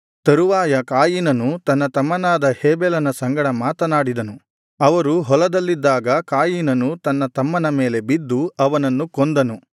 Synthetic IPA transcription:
t̪ɐɾuʋaːjɐkaːjinɐnut̪ɐnːɐt̪ɐmːɐnaːd̪ɐheːbɛlɐnɐsɐŋɡɐɽɐmaːt̪ɐnaːɽid̪ɐnu | ɐʋɐɾuɦɔlɐd̪ɐlːid̪ːaːɡɐkaːjinɐnut̪ɐnːɐt̪ɐmːɐnɐmeːle̞bid̪ːuɐʋɐnɐnːukond̪ɐnu

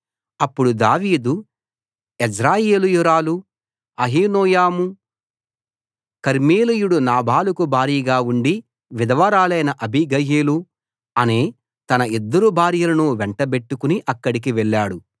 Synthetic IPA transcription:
ɐpːuɽud̪aːʋiːd̪u | ed͡ʒɾaːjeːlujuɾaːlu | ɐɦiːnɔːjaːmu | kɐɾmeːlijuɽunaːbʱaːlukubʱaːɾiːɡaːuɳɖi | ʋid̪ɐʋɐɾaːlɐjnɐʔɐbʱiɡɐjeːlu | ɐneː | t̪ɐnɐid̪ːɐɾubʱaːɾjɐlɐnuʋɛɳʈɐbe̞ʈːukuniʔɐkːɐɽik̬iʋɛɭːaːɽu

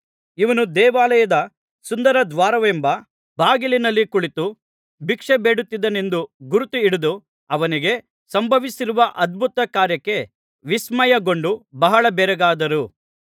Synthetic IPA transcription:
iʋɐnud̪ɛːʋaːlɐjɐd̪ɐ | sund̪ɐɾɐd̪ʋaːɾɐʋembɐ | bʱaːɡilinɐlːikuɭit̪u | bikʂebeːɽut̪ːid̪ɐne̞nd̪uɡuɾut̪uiɽud̪u | ɐʋɐniɡe̞ | sɐmbʱɐʋisiɾuʋɐʔɐd̪̚bʱut̪ɐkaːɾjɐkːe̞ | ʋismɐjɐɡo̞ɳɖubɐɦɐɭɐbɛɾɐɡaːd̪ɐɾu

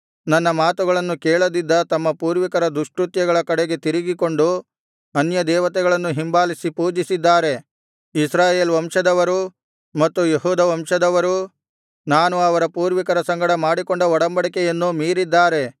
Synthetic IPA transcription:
nɐnːɐmaːt̪uɡɐɭɐnːukɛːɭɐd̪id̪ːɐt̪ɐmːɐpuːɾʋikɐɾɐd̪ɾuʂʈɾut̪jɐɡɐɭɐkɐɽeɡe̞t̪iɾiɡiko̞ɳɖu | ɐnjɐd̪ɛːʋɐt̪ɛɡɐɭɐnːuɦimbaːlisipuːd͡ʒisid̪ːaːɾe̞ | isɾaːjeːlʋɐmʂɐd̪ɐʋɐɾu | mɐt̪ːujeɦuːd̪ɐʋɐmʂɐd̪ɐʋɐɾu | naːnuɐʋɐɾɐpuːɾʋikɐɾɐsɐŋɡɐɽɐmaːɽikoɳɖɐɔɽɐmbɐɽɐkejɐnːumiːɾid̪ːaːɾe̞

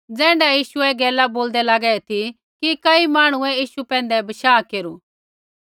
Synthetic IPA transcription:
d͡zɛ̃ːɳɖajiːʃuɛɡɛːlaboːld̪ɛlaɡɛɛt̪ʰi | kikɐimaːɽ̃ũɛ̃jiːʃupɛ̃ːnd̪ɛbɐʃaːkeːɾu

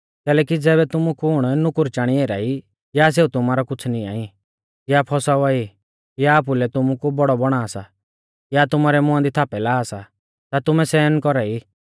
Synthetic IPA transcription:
kɛːlɛːkid͡zɛːβɛt̪ʊmukʊɽ̃nʊkʊɾt͡ʃaːɽ̃ieːɾa̰i | jas̬eːut̪ʊmaːɾakʊt͡sʰnia̰ːĩ | japʰɔsauaːi | jaːp̬ulɛt̪ʊmukubɔɽɔbɔɽ̃aːsa | jat̪ʊmaːɾɛmʊ̃ãnd̪it̪ʰaːpɛlaːsa | t̪at̪ʊmɛsɛːnkɔɾai

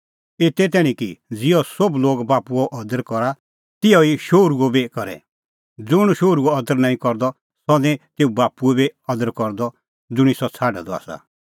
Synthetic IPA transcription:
et̪ɛt̪̬ɛːɽ̃ĩkid͡zɪjɔsɔbloːɡbaːpuɔʔɔd̪əɾkɔɾa | t̪ɪjɔiʃoːɾuɔbikɔɾɛ̰ | d͡zʊɽ̃ʃoːɾuɔɔd̪əɾnãːĩkɔɾd̪ɔ | sɔd̪ɛ̃t̪eːubaːpuɛbiɔd̪əɾkɔɾd̪ɔ | d͡zʊɽ̃isɔt͡sʰaːɖa̰d̪ɔa̰ːsa̰

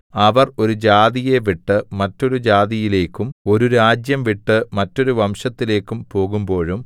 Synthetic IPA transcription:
ɐʋɐro̞ɾud͡ʑaːðije̞ʋiʈːɨmɐtːo̞ɾud͡ʑaːðijile̞ːkːumo̞ɾuɾaːd͡ʑjɐmʋiʈːɨmɐtːo̞ɾuʋɐmʂɐt̪ːile̞ːkːumpo̞ːɣumbo̞ːɻum

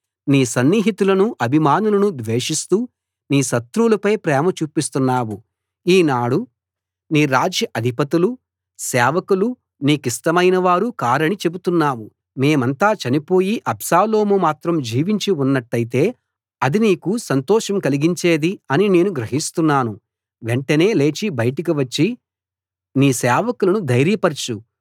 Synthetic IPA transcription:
niːsɐnːiːɦit̪ulɐnuʔɐbʱimaːnulɐnud̪ʋeːʂist̪uː | niːʃɐt̪ɾuulɐpɐjpɾɛːmɐt͡ʃuːpist̪unːaːwu | iːnaːɽu | niːɾaːd͡ʒjɐʔɐd̪ʱipɐt̪ilu | sɛːʋɐkulu | niːkisʈɐmɐjnɐʋaːɾukaːɾɐɳit͡ʃe̞but̪unːaːwu | me̞ːmɐnt̪aːt͡ʃɐnipo̞ːjiʔɐbsaːlo̞ːmumaːt̪ɾɐmd͡ʒiːʋiɲt͡ʃiunːɐʈːɐjit̪e̞ː | ɐd̪iniːkusɐnt̪ɔːʂɐmkɐliɡiɲt͡ʃe̞ːd̪iɐnine̞ːnuɡɾɐɦist̪unːaːnu | ʋeɳʈɐne̞ːle̞ːt͡ʃibɐjʈik̬iʋɐt͡ʃːi | niːsɛːʋɐkulɐnud̪ɐjɾjɐpɐɾt͡ʃu

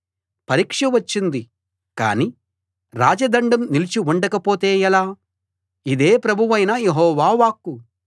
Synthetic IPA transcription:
pɐɾiːkʂɐʋɐt͡ʃːind̪i | ka̰ːni | ɾaːd͡ʒɐd̪ɐɳɖɐmnilit͡ʃiuɳɖɐkɐpoːt̪e̞ːjɛlaː | id̪e̞ːpɾɐbʱuʋɐjnɐjeɦɔːʋaːʋaːkːu

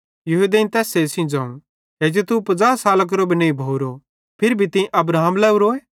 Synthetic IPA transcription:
jɐɦud̪eĩnt̪ɛːsesĩd͡zãːũ | eːd͡ʒet̪upɐd͡zaːsaːlɐk̬ɐɾobʱinẽĩbʱoːuɾo | pʰɪɾbʱit̪ɪ̃ʔɐbɾaːmlɛːuɾoːeː

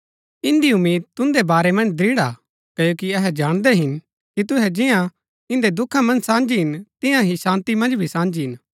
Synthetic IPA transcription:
ɪ̃nd̪iʊmːiːd̪̚t̪ʊ̃nd̪ebaːɾemɐ̃nd͡ʒd̪ɾiːɽa | kɐjoːkiɐɦɛd͡ʒaːɽ̃d̪ɛɦɪn | kit̪ʊɦɛd͡ʒɪjã | ɪ̃nd̪ed̪ʊkʰamɐ̃nsãːnd͡ʒiɦɪnt̪ɪ̃jãɦisãːnt̪imɐ̃nd͡ʒbʱisãːnd͡ʒiɦɪn

